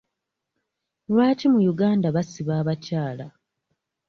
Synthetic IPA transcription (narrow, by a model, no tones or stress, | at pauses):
lwaːcimujuɡaːndaβasiβaːβacaːla